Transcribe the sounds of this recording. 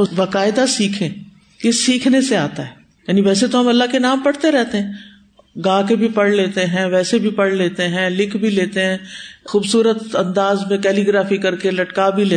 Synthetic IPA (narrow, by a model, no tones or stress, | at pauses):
obaːkaːɪd̪asiːkʰẽː | kesiːkʰneseaːt̪aɦɛː | jaːniʋɛːset̪oɦɐmɐlːaɦkenaːmpɐɽt̪eɾɛɦt̪eɦɛ̃ː | ɡãːkebʱipɐɽleːt̪eɦɛ̃ʋɛːsebʱipɐɽleːt̪eɦɛ̃lɪkʰbʱileːt̪eɦɛ̃ːxuːbsuːɾət̪ɐ̃nd̪aːzmẽkɛːliɡɾaːfikɐɾkelɐʈkabʱileː